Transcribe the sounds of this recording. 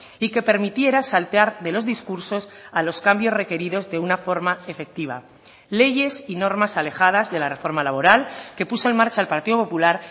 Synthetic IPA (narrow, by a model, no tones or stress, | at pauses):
ike̞pe̞ɾmit̪je̞ɾasalt̪eaɾðe̞lo̞zðiskuɾso̞salo̞skambjo̞sre̞ke̞ɾiðo̞zðe̞unafo̞ɾmae̞fe̞k̚t̪iβ̞a̰ | le̞ʝe̞sino̞ɾmasale̞xaðazðe̞lare̞fo̞ɾmalaβ̞o̞ɾalke̞puso̞e̞nmaɾt͡ʃaːlpaɾt̪iðo̞po̞pulaɾ